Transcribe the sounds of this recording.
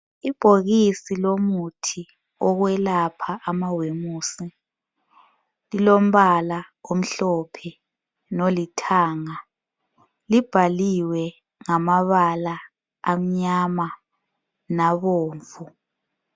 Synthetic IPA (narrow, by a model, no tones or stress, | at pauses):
ib̥ʱoɣisilomutʰi | ɔɣwɛlapʰaʔːmawemuːsi | lilom̩βalaom̩ɬɔpʰɛ | nolitʰaːŋa | lib̥ʱaliwɛ | ŋamaβalaː | m̩ɲama | naβoːɱvu